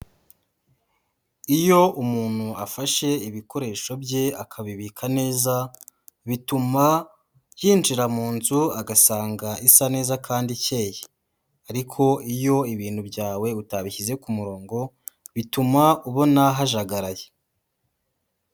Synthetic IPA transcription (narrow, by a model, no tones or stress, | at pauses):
ijo̞umuːn̥huafaʃe̞iβiko̞ɾe̞ːʃo̞bje̞akʰaβiβiːkʰane̞ːza | βituma | jiːnd͡ʒiɾamuːnzuaɡasaːŋɡaisane̞ːzakʰaːndice̞ːje | aɾikʰo̞ʔijo̞iβiːn̥hubɟaːwe̞utaβiçize̞kumuɾo̞ːŋɡo̞βitumauβo̞naɦaʒaɡaɾaje